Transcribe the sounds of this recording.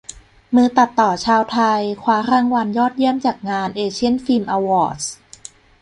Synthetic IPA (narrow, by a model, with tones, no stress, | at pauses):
mɯː˧t̪a˨˩t̪ːɔː˨˩t͡ɕʰaː˧wt̪ʰa˧jkʰwaː˧˥ɾaː˧˥˩ŋwa˧njɔː˥˩t̪̚ji˥˩əmt͡ɕaː˨˩k̚ŋaː˧nʔeː˧t͡ɕʰi˥˩ənfiː˧mʔaː˧wɔː˧˩s